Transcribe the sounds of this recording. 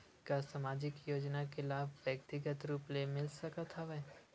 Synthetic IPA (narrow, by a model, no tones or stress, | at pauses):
kasamaːd͡ʒɪkjoːd͡ʒnakelaːbʋjək̚t̪ɪɡət̪ɾuːplemɪlsɐkat̪ʰaʋɛː